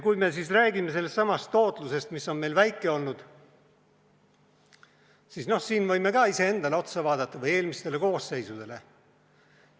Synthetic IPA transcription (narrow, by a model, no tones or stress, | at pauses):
kujme̞s̬isræːɡime̞se̞lːe̞sːɑmɑst̪ːo̞ːt̪ˑluse̞st̪misːo̞nmejlvæjkːˑe̞o̞lnud̪̥ | siːsno̞hsiːnvɤjme̞kɑːise̞e̞nd̪ɑle̞o̞t̪sɑvɑːd̪̥ɑt̪ːˑɑvɤje̞ːlmist̪e̞le̞ko̞ːsːe̞jsud̪̥e̞le̞̰